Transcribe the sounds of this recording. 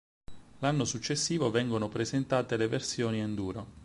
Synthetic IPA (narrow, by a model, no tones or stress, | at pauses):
lanːosut͡ʃːesːiːvovɛŋɡonopɾezent̪aːt̪eleversjoːniend̪uːɾo